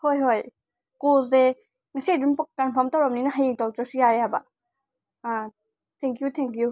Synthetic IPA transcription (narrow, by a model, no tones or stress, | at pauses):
hojɦoj | kozɛ | ŋasidunpɔk̚kːanpʰɔmtawɾɔmninaɦajiŋtawtɔsujaɾeɦaba | a | t̪ʰɛŋkjut̪ʰɛŋkju